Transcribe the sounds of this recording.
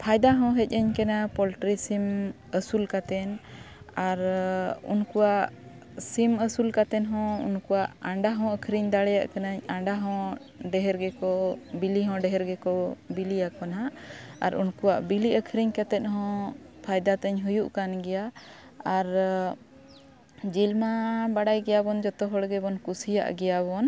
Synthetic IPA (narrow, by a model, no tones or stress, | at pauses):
pʰajd̪aɦɔ̃ɦɛc̚əɲkɛnapɔlʈɾisim | əsulkat̪ɛnaɾṵnkuwaʔ | siməsulkat̪ɛnɦɔ̃ṵnkuwaʔaɳɖaɦɔ̃əkʰɾiɲd̪aɽɛjaʔkanaɲaɳɖaɦɔ̃ | ɖɛɦɛɾɡɛkɔbiliɦɔ̃ɖɛɦɛɾɡɛkɔbilijakɔnɦaʔa̰ɾunkuwaʔbiliəkʰɾiɲkat̪ɛt̪̚ɦɔ̃pʰajd̪at̪ɛɲɦujuʔkanɡɛja | aɾ | d͡ʒilmabaɽajɡɛjabɔnd͡ʒɔt̪ɔɦɔɽɡɛbɔnkusija̰ʔɡɛjaβɔn